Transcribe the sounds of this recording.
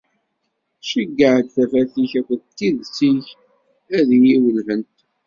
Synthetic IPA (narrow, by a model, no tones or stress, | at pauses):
ʃəɡːəʕəd̪θæfæθiçækʷənt̪ːiðsiç | æðjiwəlɦənt̪